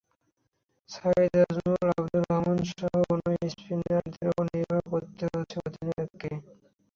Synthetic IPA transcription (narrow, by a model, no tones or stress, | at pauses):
said̪azulabd̪ulɔmonʃɔɦoonoispʰinald̪eɾoniɾbʱakot̪ːeɦoet͡ɕʰeod̪ʱineke